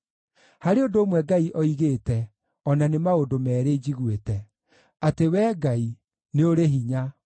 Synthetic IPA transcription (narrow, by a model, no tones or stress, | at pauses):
haɾeodoːmwɛɡaiʔɔiɣeːtɛ | ɔnanemaodomɛːɾed͡ʑiɣwetɛ | atewɛːɡai | neoɾeɦiɲa